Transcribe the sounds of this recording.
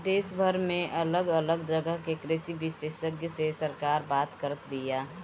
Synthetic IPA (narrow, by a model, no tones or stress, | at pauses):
d̪eːsbʱəɾmẽʔələɡələɡd̪ɾəɡəɦkekɾesibɪsesəɡjəsesəɾkaːɾbaːt̪kəɾət̪bija